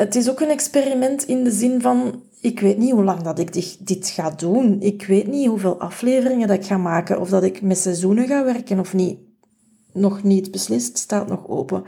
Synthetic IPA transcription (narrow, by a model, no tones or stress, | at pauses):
ətɪsoːkənɛksperimɛntɪndəzɪnvɑn | ɪkweːtniɦulɑŋdɑtɪɡdɪdɪtxaːdunɪkweːtniɦuveːlˠʔɑ̰fleːvərɪŋədɑtɪkxaːmaːkəʔɔ̰vdɑtɪkmɛtsɛzunəɣaːʋɛrkənɔfni | nɔxnitbəslɪststaːtnɔxo̰ːpə